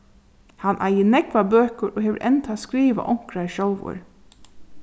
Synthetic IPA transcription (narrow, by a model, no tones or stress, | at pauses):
hanʔa̰jɪnɛkʋabøːkʊɾʔɔɦɛːʋə̰ɾʔɛnt̪ʰaskɾiːʋa̰ʔɔŋ̥kɾaɹʃɔwʋʊ̰ɹ